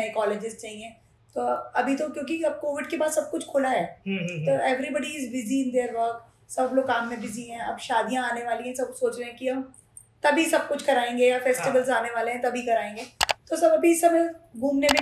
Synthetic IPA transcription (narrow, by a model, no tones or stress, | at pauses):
ɐekɔːleːd͡ʒɪzt͡ʃaːɦĩɛ̃ː | t̪oːɐbʱit̪okjõːk̬iɐb̚koːʋɪɖkebaːd̪sɐb̚kʊt͡ʃʰkʰʊlaɦɛːɦt̪oːɛːʋɾibəɽiɪzʋɪziɪ̃nd̪eːɾʋəːk | sɐbloːɡaːmːẽbɪziɦɛ̃ɐ̰bʃaːd̪ijãaːneʋaːlĩɦɛ̃sɐb̚soːt͡ʃɾẽɦɛ̃kiɦɐm | t̪ɐbʱisɐb̚kʊt͡ʃʰkɐɾaːẽːŋɡejafɛːsʈɪʋəlzaːneʋaːleɦɛ̃t̪ɐbʱikɐɾaːẽːŋɡeːt̪osɐbɐbʱiɪsɐmẽbʱuːmnemẽ